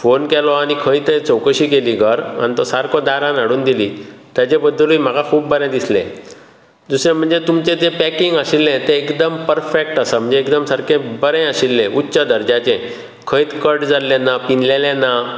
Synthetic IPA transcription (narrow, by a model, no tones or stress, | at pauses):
fonkɛlɔañikʰəjt̪ẽt͡səwkəɕiːkeliːɡʱəɾa̰nit̪ɔsaɾkʰɔd̪aɾãnaɽuːnd̪iliːt̪jat͡ɕebəd̪ːəlim̤aɡakʰuːpːəɾɛ̃d̪islḛ̃ | d̪usɾẽm̤əɳd͡zet̪umt͡ɕẽd͡zepækiŋɡəɕilːẽt̪eːkd̪əmpəɾfek̚ʈasam̤əɳd͡zeːkd̪əmsaɾkʰẽbəɾɛ̃əɕilːẽʔutːɕəd̪əɾd͡ʑãt͡ɕẽ | kʰəjt̪kəʈd͡zalːẽnapinlelẽna